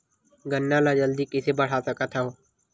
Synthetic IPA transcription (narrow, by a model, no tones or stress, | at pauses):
ɡənːãːlaːd͡ʒəld̪iːkɪseːbəɽ̤aːsəkət̪ʰaoː